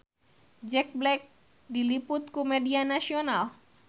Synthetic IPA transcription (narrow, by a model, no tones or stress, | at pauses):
d͡ʑek̚blek̚ | ɖiliput̪kumeɖianaʃional